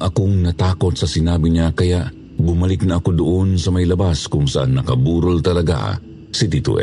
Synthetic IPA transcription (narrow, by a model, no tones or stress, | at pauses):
ʔɐkoŋnɐt̪aːkot̪̚sɐsɪnaːbiɲakɐjaʔ | bʊmɐlɪk̚nɐʔːkod̪oʔonsɐmɐjlɐbaskʊŋsɐʔa̰ŋnɐkɐbuːɾolt̪ɐlɐɡa̰ | sit̪it̪ṵʔɛ̰